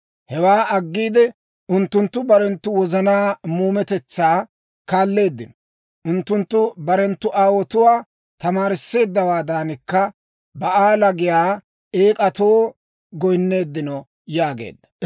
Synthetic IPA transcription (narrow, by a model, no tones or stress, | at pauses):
hɛwaːʔɐɡːiːd̪ɛ | ʊnt̪ːʊnt̪ːʊbɐɾɛnt̪ːʊwɔzɐnaːmuːmɛt̪ɛt͡sːaː | kaːlːe̞ːd̪ːɪnɔ̥ | ʔʊnt̪ːʊnt̪ːʊbɐɾɛnt̪ːʊʔaːwɔt̪ʊwaː | t̪ɐmaːɾɪsːe̞ːd̪ːɐwaːd̪aːnɪkːɐ | bɐʔaːlɐɡɪjaː | eːkʼɐt̪o̞ː | ɡɔjnːe̞ːd̪ːɪnɔ | jaːɡḛːd̪ːɐ̥